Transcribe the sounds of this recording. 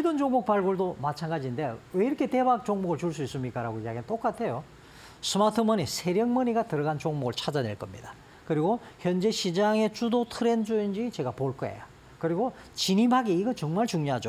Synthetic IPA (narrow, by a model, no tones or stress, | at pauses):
idond͡ʑoŋbuk̚paɭɡuɭdomat͡ɕʰanɡad͡ʑinde̞we̞iɾʌkʰe̞te̞bak̚t͡ɕoŋmuɡɯɭt͡ɕuɭs̬͈uis͈ɯmɲik͈aɾaɡoiaɡent͈ok͈atʰe̞jo | sʰɯmatʰɯmʌnisʰe̞ɾjʌŋmʌɲiɡatɯɾʌɡant͡ɕoŋmoɡɯɭt͡ɕʰad͡ʑane̞̰ɭk͈ʌmɲḭdḁ | kɯɾiɡoçjʌnd͡ʑe̞ɕʰid͡ʑaŋe̞t͡ɕudotʰɯɾe̞nd͡ʑoind͡ʑit͡ɕe̞ɡapoɭk͈ʌḛja | kɯɾiɡot͡ɕinimɦaɡiiɡʌt͡ɕʌŋmaɭt͡ɕuŋɲoɦad͡ʑo